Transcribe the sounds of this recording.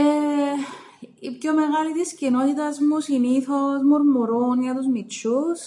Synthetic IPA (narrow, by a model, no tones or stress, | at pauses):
e | ipçome̞ɣɐlit̪iscino̞t̪it̪ɐzmusiniθo̞zmoɾmuɾunʝɐt̪uzmit͡ʃus